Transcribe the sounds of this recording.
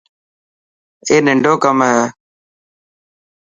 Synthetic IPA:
eːnɪɳɖoːkəmɦeː

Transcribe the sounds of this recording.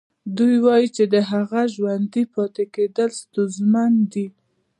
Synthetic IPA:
d̪ujwɑjit͡ʃed̪əɦaɣaʒwand̪ipɑt̪eked̪əlst̪uzmand̪i

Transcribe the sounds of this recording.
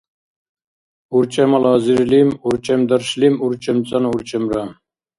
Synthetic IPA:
uɾt͡ʃʰɛmɑlɑːziɾlimuɾt͡ʃʰɛmd̪ɑɾʃlimuɾt͡ʃʰɛmt͡sʼɑnuɾt͡ʃʰɛmɾɑ

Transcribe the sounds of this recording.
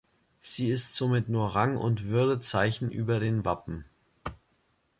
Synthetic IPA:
z̥iːɪstz̥oːmɪtnuːɐʁaŋʊ̰ntv̥ʏɐdət͡saɪçn̩ʔyːbɐɾeːnva̰pm̩

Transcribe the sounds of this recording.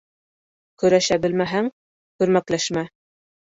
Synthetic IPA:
kɵ̆ɾæʃæbɘ̆lmæɦæŋ | kʉ̆ɾmæklæʃmæ

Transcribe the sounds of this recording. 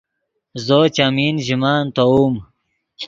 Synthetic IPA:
zot͡ɕamiːnʑimaːnt̪ouːm

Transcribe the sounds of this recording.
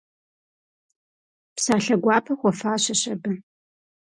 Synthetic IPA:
psaːɬɐɡʷɑːpʰɐxʷɔfaːɕɐɕɐbɐ

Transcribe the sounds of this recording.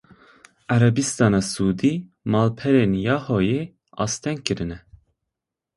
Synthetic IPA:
æɾɛbist̪ɑːnɑːsuːd̪i | mɑːlpʰɛɾenjɑːhoje | ɑ̰st̪ʰɛŋkɨɾɨnɛ

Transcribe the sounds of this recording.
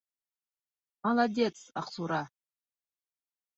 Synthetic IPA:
mɑlˠad̪ʲet̪sɑ̰qsuɾɑ

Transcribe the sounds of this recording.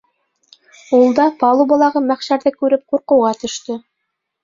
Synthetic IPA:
ulˠd̪ɑpɑlˠubɑlˠɑʁɤmæχʃæɾðɘkʉɾɘp̚quɾqɤ̆wʁɑt̪ɵ̆ʃt̪ɵ

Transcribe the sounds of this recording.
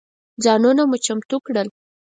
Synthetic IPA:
d͡zɑnunamut͡ʃamt̪ukɽəl

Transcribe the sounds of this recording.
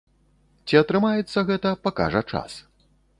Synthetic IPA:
t͡sʲiɐt̪ɾɨmajɛt̪sːɐɣɛt̪ɐpaka̰ʐɐt͡ʂa̰s

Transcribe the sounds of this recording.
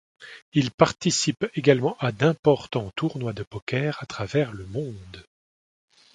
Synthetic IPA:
ilpaʁt̪isipeɡalmɑ̃ʔad̪ɛ̃pɔʁt̪ɑ̃t̪ʰuʁnwad̪əpɔkʲɛːʁat̪χavɛʁləmɔ̃d̪

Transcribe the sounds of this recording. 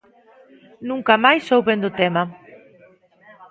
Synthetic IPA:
nũŋkamajsowβend̪ʊt̪ɛmɐ

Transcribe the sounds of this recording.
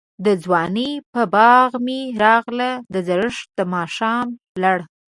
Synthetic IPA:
d̪əd͡zwɑnəpəbɑɣmiɾɑɣlad̪əzaɾəʂ̚d̪əmɑʃɑm | laɽ

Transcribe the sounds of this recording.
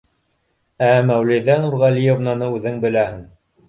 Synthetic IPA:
æmæwlijðænuɾʁælijovnɑnɤʉðɘŋbɘ̆læhɘŋ

